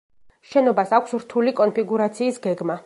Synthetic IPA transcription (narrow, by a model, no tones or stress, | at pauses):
ʃɛnɔbasakʷʰsɾt̪ʰulikʼɔnpʰiɡuɾat̪sʰiːsɡɛɡma